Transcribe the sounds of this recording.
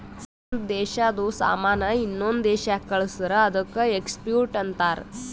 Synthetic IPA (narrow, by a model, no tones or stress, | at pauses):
s | d̪eɕad̪osa̰manəinːond̪eɕakːəɭsəɾəːd̪əkəekspjuːʈɐnt̪aɾ